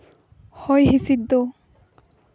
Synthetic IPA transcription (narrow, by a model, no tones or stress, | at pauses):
hɔjɦisid̪o